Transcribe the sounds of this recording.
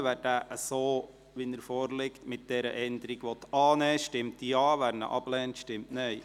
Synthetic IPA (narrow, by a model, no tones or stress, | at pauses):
ʋæːɾd̥æʔəsoː | ʋinəɾfoːɾlɪktmɪt̚d̥ɛɾə̰ʔɛnd̪əɾiɡ̥ʋɔt̪ɑːnɛːʃtɪmtdiɑːʋæɾnə̰ʔɑb̥lɛːntʃtɪmtnɛj